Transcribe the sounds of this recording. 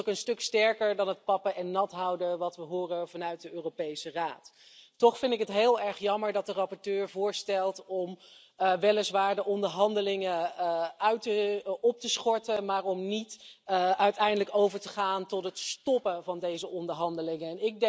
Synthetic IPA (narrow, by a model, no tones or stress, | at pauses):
kənstɵkstɛɹkəɹdɑnɦət̚pɑpəʔɛnːɑtɦɑwdəʋɑtʋəɦʊːrəvɑnœɥt̚dəøːrowpejsəraːttɔχfɪndtɪkɦətɦeːlˠɛɹχjɑməɹdɑt̚dərɑpɔɹtøːɹvʊːɹstɛlˠtɔm | ʋɛlɪsʋaːɹdəʔɔndəɹɦɑndəlɪŋəœɥtəɔp̚təsχɔɹtəmaːɹɔmnitʔœɥtɛjndələkowvəɹtəχaːntɔtɦətstɔpəvɑndejzəʔɔndəɹɦɑndəlɪŋəɛnɪk̚dɛ